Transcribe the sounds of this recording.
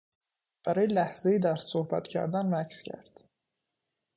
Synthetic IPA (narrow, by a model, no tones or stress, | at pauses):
b̥æɾɑjlæhz̥ejid̪æɾssohbæ̰t̪cʰæ̰ɾd̪ænvæcscʰæ̰ɾd̪̥